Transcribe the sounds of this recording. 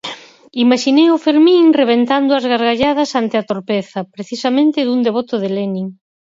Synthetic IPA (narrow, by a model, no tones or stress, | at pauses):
imaʃinejʊfeɾmĩŋreβ̞ent̪and̪ʊɐzɣaɾɣaʎað̞ɐsant̪ɪat̪oɾpeθɐpɾeθisɐmẽnt̪ɪðuŋd̪eβɔt̪ʊðelenĩŋ